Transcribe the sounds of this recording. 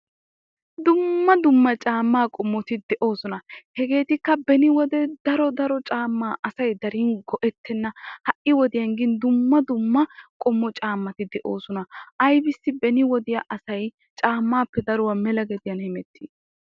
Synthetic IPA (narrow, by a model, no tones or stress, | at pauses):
d̪ʊmːɐd̪ʊmːɐt͡ʃʼaːmːaːkʼɔmːɔt̪ɪd̪ɛʔo̞ːsɔnɐhɛɡe̞ːt̪ɪkːɐbɛnɪwɔd̪ɛd̪̥ɐɾɔd̪ɐɾɔt͡ʃʼaːmːaːʔɐsɐjd̪ɐɾinɡɔʔɛt̪ːɛnːɐhɐʔɪwɔd̪ɪjɐŋɡɪnd̪ʊmːɐd̪ʊmːɐkʼɔmːɔt͡ʃʼaːmːɐt̪ɪd̪ɛʔo̞ːsɔnɐɐjbɪsːɪbɛnɪwɔd̪ɪjaʔɐsɐj | t͡ʃʼaːmːaːpːɛd̪ɐɾʊwɐmɛlɐɡɛd̪ɪjɐnhɛmɛt̪ːi